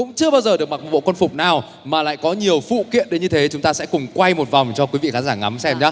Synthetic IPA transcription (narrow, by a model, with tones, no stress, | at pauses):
ʊ̰˧˥ŋ͡mt͡ɕɨ˧əɓaː˧wzəː˨˩ɗəkma˨˩mo˨˩ɓ̰kə˧nfʊ˨˩k͡p̚naː˨˩w | maː˨˩la̰ː˧˨jkɔ˨˦ɲi˨˩əwfṵ˧˨kḭ˧˨ənɗe˨˦nɲɨ˧t̪ʰe˨˦t͡ɕʊ˨˦ŋ͡mt̪aː˧sɛ̰˧˥kʊ˨˩ŋ͡mkwa˧jmo˨˩t̚va˨˩wŋ͡mt͡ɕɔ˧kwi˨˦vḭ˧˨xaː˨˦nzaː˧˩ŋa˨˦msɛ˧mɲaː˨˦